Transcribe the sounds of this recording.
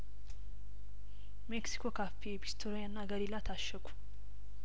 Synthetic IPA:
meksi̥kʰo̞kʰafːiebist̪ʰoɾjanːaɡəɾilat̪ʰaʃːəkʷʰu̥

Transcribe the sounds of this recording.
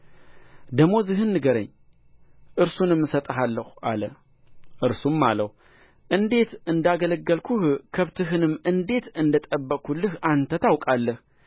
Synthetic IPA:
d̪əmːo̞zɨɦɨnːɨɡəɾə̰ɲː | ʔɨɾsunɨmːɨsət̪ʼɦalːəha̰lə | ʔɨɾsumːaləh | ʔɨnd̪e̞t̪ɨnd̪aɡələɡːəlkʰuhkʰəβt̪ʰɨɦɨnɨmːʔɨnd̪e̞t̪ɨnd̪ət̪ʼəbːəkʰːulɨhant̪ʰət̪ʰawkʼalːəh

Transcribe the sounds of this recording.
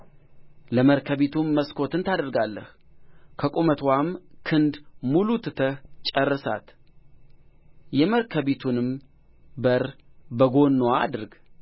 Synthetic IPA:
ləməɾkʰəβit̪ʰumːəskʰo̞t̪ɨnt̪ʰad̪əɾɡalːəh | kʰəkʼumət̪ʰwamkʰɨnd̪mulut̪ʰɨt̪ʰəht͡ʃʼərːɨsa̰t̪ | jɛməɾkʰəβit̪ʰunɨm | bəɾbəɡo̞nːowaa̰d̪ɨɾɡ

